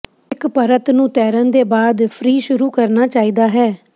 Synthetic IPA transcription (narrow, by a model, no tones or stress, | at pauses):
ɪkpəɾət̪nũːt̪ɛːɾənd̪eːbaːd̪pʰɾiːʃʊɾuːkəɾnaːt͡ʃaːiːd̪aːɦɛː